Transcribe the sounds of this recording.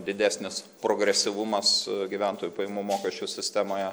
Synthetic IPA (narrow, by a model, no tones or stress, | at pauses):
d̪ʲɪd̪ʲæːsʲnʲɪs | pɾoːɡɾʲɛsʲɪʋʊmɐsɡʲiʋʲɛnt̪oːjupɐjɪmuːmoːkʲɛʃʲt͡ʃʲʊsʲɪsʲt̪ʲæmoːjɛ